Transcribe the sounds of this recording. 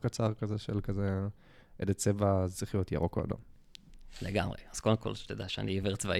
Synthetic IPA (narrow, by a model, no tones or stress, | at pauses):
kat͡saʁkazeʃelkaze | ʔedet͡sevaziχijot̪ja̰ʁokoa̰d̪o̰m | leɡa̰mʁḛaz̥kodemko̞lʃt̪od̪aʃea̰niiveʁt͡sva